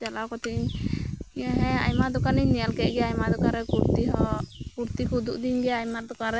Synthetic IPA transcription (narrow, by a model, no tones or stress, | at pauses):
d͡ʒalawkɔt̪iɲ | iaɦɛ̃a̰jmad̪ɔkaniɲnijalkɛc̚ˀɡɛɛajmad̪ɔkaɾɛkuɾt̪iɦɔkuɾt̪ikud̪ṵʔd̪iɲɡɛajmaɾd̪ɔkaɾɛ